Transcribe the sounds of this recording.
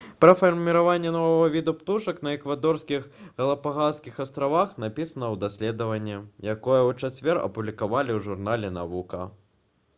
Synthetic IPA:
pɾɐfɐrmʲiɾavanʲːɛnɔvɐɣɐvʲid̪upt̪uʂɐknɐɛkvad̪ɔrskʲixɣɐlˠɐpaɣaskʲixɐst̪ɾavaxnapʲisɐnɐwd̪asʲlʲɛd̪ɐvɐnʲːɛjakɔjɐwt͡ʂat͡sʲvʲɛrɐ̰publʲikavalʲiwʐurnalʲɛna̰vukɐ̰

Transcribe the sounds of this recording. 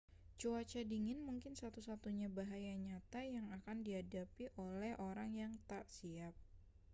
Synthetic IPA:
t͡ʃoat͡ʃadiŋɪnmuŋkɪnsat̪usat̪uɲabaɦajaɲat̪ajaŋakandiɦadapiʔolɛhʔoɾaŋjaŋt̪aʔsiap̚

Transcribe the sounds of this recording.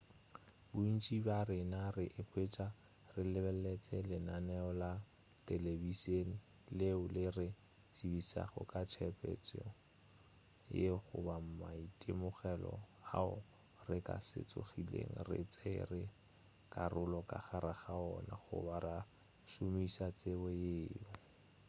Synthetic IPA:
bʊin̩t͡ʃʼibarɪnarɪʔɪpʰʼwet͡ʃʼa | rɪlɪbɛlɛt͡sʼɛlɪnanɛɔla | tɛlebisen̩ | leʊlɪrɪ | sibisa̰χɔ̰kʼat͡ʃʰɛpʼɛ̰t͡sʼ | jeχʊ̰bam̩maitʼɪmʊχɛlɔ̰a̰ʊ | rɪkʼa̰sɪ̰t͡sʼʊ̰χilḛŋ̩rɪ̰t͡sʼerɪ | kʼarʊlɔkʼa̰χaɾaχaɔnaχʊ̰baɾa | ʃʊmisat͡sʼɪbɔjeːʊ

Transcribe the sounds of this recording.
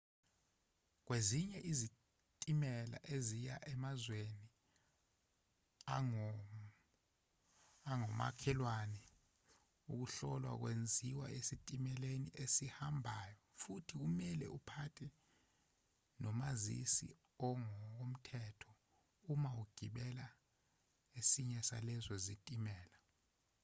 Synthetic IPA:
k̬weziɲɛʔizi | tʼimɛla̰ʔezijaʔɛmazweni | a | aŋɔma̰kʰɛlwanɛ | uk̬uɬɔlwa̰k̬wend͡zʱiwa̰ʔesitʼimɛleniʔesihambʱaːjɔfutʰik̬umɛlɛ̰ʔupʰatʰɛ | nɔmazḭsḭ | ɔŋɔk̬om̩tʰɛtʰɔ̥ | umauɡ̥ʱiɓɛla | esiɲɛsa̰lɛzɔzitʼimɛːla

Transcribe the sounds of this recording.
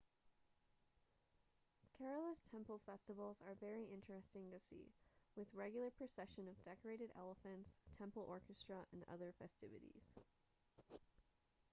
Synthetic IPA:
kʰɛɹl̩ˠəstʰɛ̃mpl̩ˠfɛstəvl̩ˠzə˞vɛɹiɪ̃nt͡ʃɹ̥ɨstɪ̃ŋtɨsḭwɨðɹɛɡjl̩ˠə˞pʰɹ̥ɨsɛʃɨ̃nʌvdɛkə˞eɪɾɨɾɛ̰lˠəfɨ̃ntstʰɛ̃mpl̩ˠʔɔɹkɨstɹ̥əʔɨ̃nʌ̰ðə˞fɛstɪvɨ̰ɾḭz̥

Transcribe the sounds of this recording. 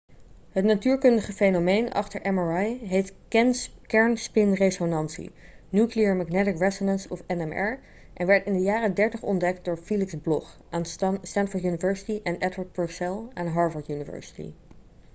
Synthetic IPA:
ɦətnatyːɹkɵndəχəfejnomejnɑ̰χtəɹʔɛmaɹajɦejtkɛnkɛɹnspɪnresonɑnsḭ | njukliəɹmaɡnɛtɪkɹɛsonɛnsɔfɛnɛmɛɹ | ʔɛ̰nʋɛɹtɪndəjaːrədɛɹtəχɔ̰ndɛkt̚dʊːɹfilɪksblɔχ | ʔanstɛntfəɹtjunivɛɹsɪ̥tiʔɛnʔɛdwəɹt̚pɔɹsɛlˠaːnɦɑɹvəɹtjunivɛ̰ɹsɪ̥tḭ

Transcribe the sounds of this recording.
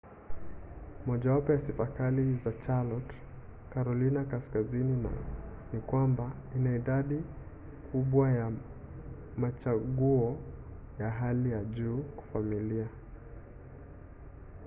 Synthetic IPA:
mɔʄawapɔjasifakalizat͡ʃalɔt | kaɾɔlinakaskazinina̰nikwamba | inaiɗaɗi | kʰuɓwaja | mat͡ʃaɠuɔ | jaɦalijaʄuːkḁfamilia

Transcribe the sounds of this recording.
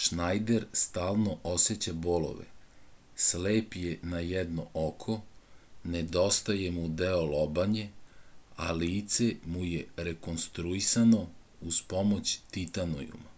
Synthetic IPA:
ʃnajd̪eɾst̪aːlno̞ʔoset͡ɕabolo̰ʋḛ | sleːpjenajɛd̪noʔokʰo̞ned̪o̞st̪ajemud̪eolobaɲe̞ | a̰liːt̪se̞mujeɾeko̞nst̪ɾuisano̞ | uz̥po̞mo̞t͡ɕt̪it̪ano̰jṵm

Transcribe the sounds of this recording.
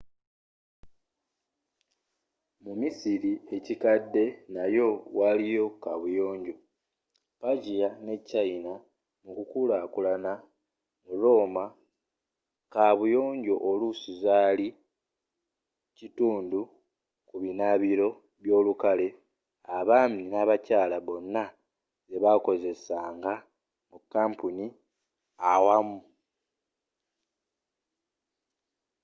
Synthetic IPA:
mumisiɾie̞cikadːe̞najo̞walijo̞kaβujo̞ːɲɟo̞ | paɟijane̞cːaina | mukukulakulana | uɾo̞ːma | kaβujo̞ːɲɟo̞ʔolusizaːli | cituːndu | kuβinaβiɾo̞ | βjo̞ːlukale̞ | aβaːminaβacaːlaβo̞nːa | ze̞βako̞ze̞saːŋɡa | mukːaːmpuni | awamu

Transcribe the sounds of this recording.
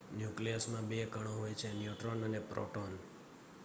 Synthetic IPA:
njukliəsmãbekəɳ̃õɦojt͡ʃʰenjuʈɾonənepɾo̰ʈon

